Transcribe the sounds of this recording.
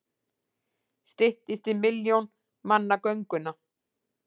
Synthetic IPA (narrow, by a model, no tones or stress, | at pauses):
st̪ɪht̪ɪst̪ɪmɪljown | manːakœɥŋkʏna